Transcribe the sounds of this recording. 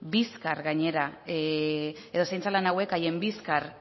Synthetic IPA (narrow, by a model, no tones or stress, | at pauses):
biskarɣaɲe̞ɾa | e̞ðo̞sajnt͡salanawe̞kaje̞mbiskaɾ